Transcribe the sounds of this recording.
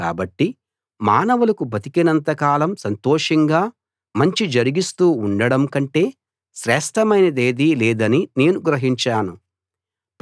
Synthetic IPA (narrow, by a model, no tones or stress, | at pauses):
a̰ːbɐʈːi | maːnɐʋulɐkubʱɐt̪ikinɐnt̪ɐkaːlɐmsɐnt̪ɔːʂɐŋɡaː | mɐɲt͡ʃid͡ʒɐɾiɡist̪uːuɳɖɐɽɐmkɐɳʈe̞ː | ʃɾɛːʂʈɐmɐjnɐd̪eːd̪ilɛːd̪ɐnine̞ːnuɡɾɐɦiɲt͡ʃaːnu